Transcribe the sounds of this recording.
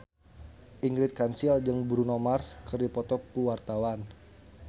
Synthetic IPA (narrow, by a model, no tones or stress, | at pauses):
ʔiŋɡɾɪt̪̚kansild͡ʒəŋbɾunɔmarskərdipɔt̪ɔkuwart̪awan